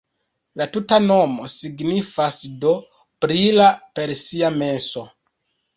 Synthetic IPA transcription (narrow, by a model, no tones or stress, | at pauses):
latutano̞mo̞siɡnifasdo̞ | pɾilape̞ɾsiame̞so̞